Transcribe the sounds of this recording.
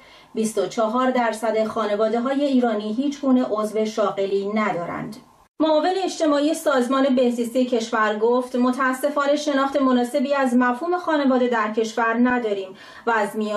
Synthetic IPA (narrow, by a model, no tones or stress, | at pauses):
bist̪ot͡ʃʰɒɦɒːɾd̪æɾsæd̪e̞xɒːne̞vɒːd̪e̞ɦɒːje̞iːɾɒːniːɦiːt͡ʃʰɡuːne̞ʔozve̞ʃɒːɣe̞liːnæd̪ɒːɾæ̰nd̪̥ | moːve̞ne̞ːt͡ʃt̪e̞mɒːije̞sɒːzmɒːne̞be̞nziːsijecʰe̞ʃvæɾɡoft̪mo̞t̪ʰæːsːe̞fɒːne̞ʃe̞nɒːxt̪e̞monɒːse̞biːæzmæfhuːme̞xɒːne̞vɒːd̪e̞d̪æɾcʰe̞ʃvæɾnæd̪ɒːɾiːm | vææzmijɒː